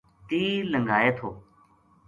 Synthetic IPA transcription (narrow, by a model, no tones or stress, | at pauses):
t̪iːləŋɡʱaːeːt̪ʰoː